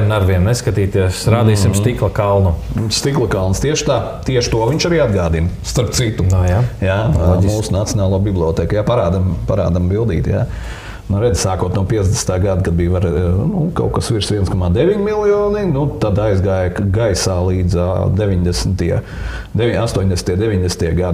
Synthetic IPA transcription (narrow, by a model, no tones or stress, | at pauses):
mnaɾʋiɛmnɛskat̪iːt̪iɛsɾaːd̪iːsimst̪iklˠɐkalˠnust̪iklˠɐkalˠnst̪iɛʃt̪aː | t̪iɛʃt̪uɔʋiɲt͡ʃaɾiːad̪ɡaːd̪inst̪aɾp̚t̪sit̪ujajad͡ʒʲimsuːsunat̪siɔnaːlˠuɔbiblˠiɔt̪ɛːkjapaɾaːd̪ampaɾa̰ːd̪ambilˠd̪ḭːt̪ja̰ː | nuɾɛd̪zsaːkuɔt̪nuɔpiɛzd̪ʲɛsn̥t̪aːɡad̪kad̪̚bijʋaɾnuka̰wkasʋiɾsʋiɛnskɔmaːd̪eʋiɲmilˠjɔːninut̪ad̪ajzɡaːjakɡajsaːlˠiːd̪za̰d̪eʋʲiɲd̪ɛsnt̪iɛ | d̪eʋiast̪uɔɲʲd̪ʲesnt̪ʲiɛd̪eʋiɲd̪ɛsn̩t̪iɛɡad̪